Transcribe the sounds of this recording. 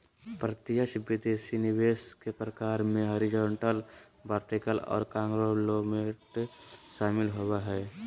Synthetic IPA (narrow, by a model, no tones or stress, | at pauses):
pɾət̪ɪjəʃbɪd̪esinɪweːskepɾəkaːɾmẽɦoɾɪd͡ʒoːɳʈəl | baːɾʈikəlɔ̰ːɾkãːŋɡɾolomeʈʃaːmɪlɦowaɦɛː